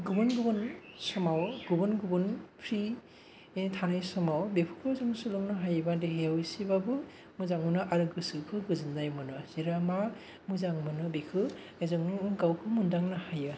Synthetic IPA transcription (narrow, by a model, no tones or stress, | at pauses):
ɡubunɡubunsɔmawɡubunɡubunpʰɾi | tʰanajsɔmawbepʰu̥kʰɾɔzɔŋsulɔŋnɯɦajbandeɦeawjsibabɯ | muzaŋmɯnɯʔaɾɯɡɯsɯkʰɯɡɯzɯndajmɯnɯziɾama | muzaŋmɯnɯbikʰɯ | ajzɔŋnɯɡawkʰɯmundaŋnɯhajɯ